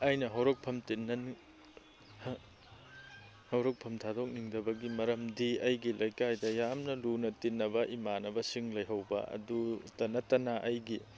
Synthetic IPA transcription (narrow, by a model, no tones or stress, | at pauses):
ɐjnɐɦɐwɾok̚pʰɐmtinːɐn | hɐwɾok̚pʰɐmtʰadok̚niŋdɐbɐɡimɐɾɐmdiɐjɡilɐjkajdɐjamnɐlunɐtinːɐbɐʔimanɐbɐsiŋlɐjɦɐwbɐ̰ʔɐ̰dutɐnɐtɐnaʔɐjɡi